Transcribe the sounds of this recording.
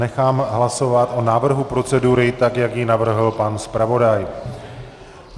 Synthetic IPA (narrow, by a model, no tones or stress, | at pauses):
ɛxaːmɦlaso̞vat̪ʔo̞naːvr̩ɦupɾo̞t͡sɛduɾɪt̪akjakjɪnavr̩ɦl̩panspɾavo̞daj